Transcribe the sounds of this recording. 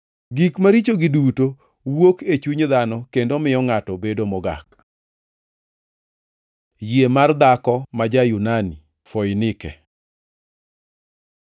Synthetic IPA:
ɡikmaɾit͡ʃoɡɪduto | woket͡ʃuɲðanɔkendomɪɔŋatɔbedomɔɡa̰k | jiemard̪akɔmad͡ʒajunani | fojnɪkɛ

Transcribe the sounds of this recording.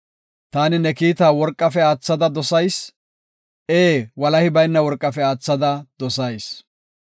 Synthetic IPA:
t̪aːnɪnɛkiːt̪aːwɔɾkʼːɐfɛaːt͡sːɐd̪ɐd̪ɔsɐjs | ʔeːwɐlɐhɪbɐjnːɐwɔɾkʼːɐfɛaːt͡sːɐd̪ɐd̪ɔsɐjs

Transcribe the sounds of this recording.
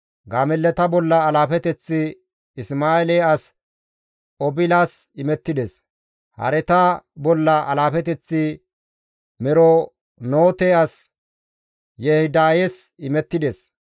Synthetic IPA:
ɡaːmɛlːɛt̪ɐbɔlːɐːlaːfɛt̪ɛt͡sːɪ | ɪsmaːeleɐs | ɔbɪlaːsɪmɛt̪ːɪd̪ɛs | hɐ̰ɾɛt̪ɐbɔlːɐʔɐlaːfɛt̪ɛt͡sːɪ | mɛɾɔ | noːt̪eɐs | jehɪd̪aːjesɪmɛt̪ːɪd̪es

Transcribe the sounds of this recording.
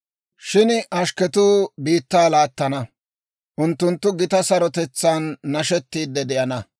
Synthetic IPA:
ʃɪnʔɐʃkɛt̪uːbiːt̪ːaːlaːt̪ːɐnɐ | ʔʊnt̪ːʊnt̪ːʊɡɪt̪ɐsɐɾɔt̪ɛt͡sːaːnːɐʃɛt̪ːiːd̪ːɛd̪ɪʔɐnɐ

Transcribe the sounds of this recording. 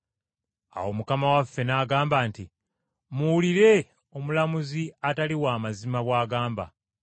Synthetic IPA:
a̰wo̞mukamawafːe̞naːɡaːmbaːnti | muwuliɾe̞ | o̞mulamuziataliwaːmazimaβwaːɡaːmba̰

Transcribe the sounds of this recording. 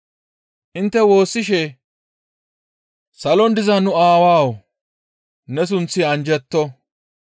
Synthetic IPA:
ʔɪnt̪ːɛwo̞ːsːɪʃɛ | sɐlɔnd̪ɪzɐnʊaːwaːw | nɛs̬ʊnt͡sːɪɐnd͡ʒɛt̪ːɔ

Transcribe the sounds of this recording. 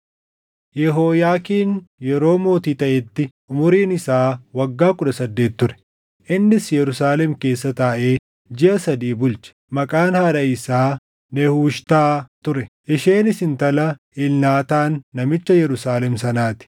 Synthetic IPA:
jɛɦoːjaːkiːnjɛɾo̞ːmo̞ːt̪iːt̪ɐʔɛt̪ːɪʔʊmʊɾiːnɪsaːwɐɡːaːkʊᶑ̪ɐsɐd̪ːe̞ːt̪ːʊɾɛ̥ | ʔɪnːɪsjɛɾʊsaːlɛmke̞ːsːɐt̪aːʔe̞ː | d͡ʒɪʔɐsɐd̪iːbʊlt͡ʃɐ̥ | mɐkʼaːnhaːᶑɐɪsaː | nɛhuːʃt̪aːt̪ʊɾɛʔɪʃeːnɪsɪnt̪ɐlɐ | ɪlnaːt̪aːnːɐmɪt͡ʃːɐjɛɾʊsaːlɛmsɐnaːt̪ɪ̥

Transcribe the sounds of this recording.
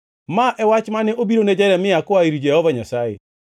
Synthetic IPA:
maʔɛwat͡ʃmanɛʔobiɾonɛd͡ʒɛɾɛmɪakɔaiɾid͡ʒɛhɔvaɲasaḛ

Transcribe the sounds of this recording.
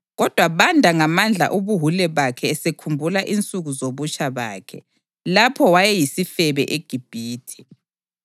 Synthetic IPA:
ɣɔd̥ʱwaβandʱaŋamand͡ɮʱa̰ʔuβuɦulɛβakʰɛːsekʰumbʱulaʔint͡sʼuɣuzoβut͡ʃʰʼaβa̰ːkʰɛ | lapʰɔwajɛjisifɛβɛ̰ʔeɡ̥ʱib̥ʱiːtʰi̥

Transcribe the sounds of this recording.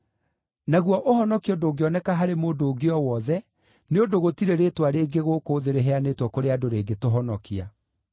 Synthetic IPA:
naɣwɔʔohɔnɔkiɔdoːɡeɔnɛkaɦaɾemoːdoːɡeɔwɔðɛ | neodoɣotiɾeɾeːtwaɾeːɡeɣokoːðeɾeɦɛaneːtwɔkoɾeadoɾeːɡetoɦɔnɔkia

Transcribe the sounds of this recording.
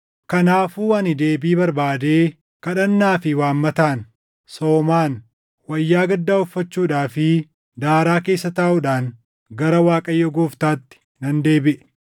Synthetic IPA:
kɐnaːfuːɐnɪd̪e̞ːbiːbɐɾbaːd̪e̞ː | kɐᶑɐnːaːfɪwaːmːɐt̪aːn | soːmaːn | wɐjːaːɡɐd̪ːaːʊfːɐt͡ʃːuːᶑaːfɪ | d̪aːɾaːke̞ːsːɐt̪ɐːʔʊᶑaːn | ɡɐɾɐwaːkʼɐjːɔɡoːft̪aːt̪ːɪ̥ | nɐnd̪e̞ːbɪʔɛ

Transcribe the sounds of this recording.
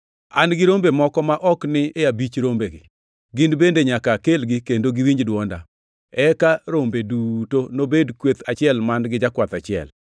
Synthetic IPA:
anɡɪɾombemɔkɔmaʔɔknɪeabit͡ʃɾombeɡɪ̰ | ɡɪnbendeɲakakelɡɪkendoɡɪwiɲd͡ʒdwɔnda̰ | ɛkaɾombedutonobedkwet̪at͡ʃɪɛlmanɡɪd͡ʒakwat̪at͡ʃɪɛ̰l

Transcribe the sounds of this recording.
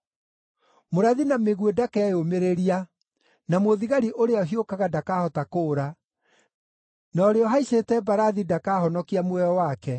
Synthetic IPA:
moɾaðinameɣwedakɛomeɾeɾia | namoðiɣaɾiʔoɾeɔɦiokaɣadakahɔtakoːɾa | nɔːɾeɔɦaiɕetɛbaɾaðidakaːhɔnɔkiamwɛɔwakɛ

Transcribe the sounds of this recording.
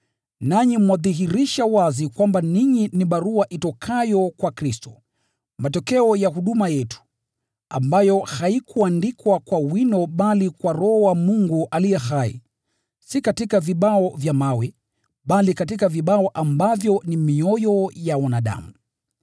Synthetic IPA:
naɲimwaðiɦiɾiʃawazikwambaniɲiniɓaɾuaʔitɔkʰajɔkwakɾistɔ̥ | matɔkɛɔjaɦuɗumajɛtu̥ | a̰mbajɔhaikʰuandikwakwawinɔɓalikwaɾɔwamuŋɡuʔalijɛhaḭ | sikatikaviɓaɔvjamawɛ | ɓalikatikaviɓaɔʔambavjɔnimiɔjɔjawanaɗa̰mu

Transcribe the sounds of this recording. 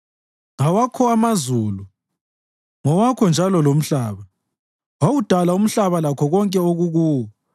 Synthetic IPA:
awakʰɔamazuːlu | ŋɔwakʰɔnd͡ʒʱalɔlom̩ɬaːβa | wawud̥ʱalaum̩ɬaβalakʰɔɣɔŋkʼɛoɣuɣuːwɔ

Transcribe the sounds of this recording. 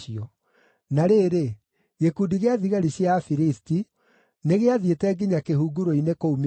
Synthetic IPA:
iɔ | naɾeːɾe | ɣekudiɣeaðiɣaɾiɕjafiɾisti | neɣeaðjetɛɡiɲakehuɡuɾoinekoum

